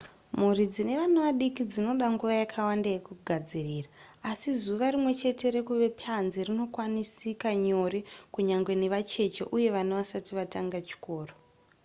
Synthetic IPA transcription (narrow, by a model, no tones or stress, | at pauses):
murid͡zine̞ʋanaʋaɗikid͡zino̞ɗaŋɡuʋajakʰawandajekuɡʱad͡ziriːraː | sizuʋaɾimwe̞t͡ʃe̞te̞ɾe̞kuʋe̞pʰanzirino̞kwanisikaɲo̞ɾekuɲaŋɡwe̞neʋat͡ʃe̞t͡ʃeʔuje̞ʋanaʋasatiʋataŋɡat͡ʃi̥ko̞ːro